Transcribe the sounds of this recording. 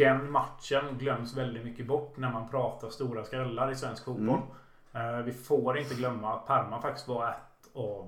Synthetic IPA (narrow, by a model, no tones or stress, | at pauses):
ɛnmat̪ʂənɡlœmːsvɛld̪ɪt̪mʏkːəbɔʈːnæɾmanpʰɾɑːt̪ʰast̪uːɾaskɾɛlːaɾɪsvɛnskfuːt̪̚bɔl | vɪfoːɾɪnt̪əɡlœmːaːt̪̚pʰaɾmanfak̚t̪ɪ̥st̪vaɾɛt̪ː | av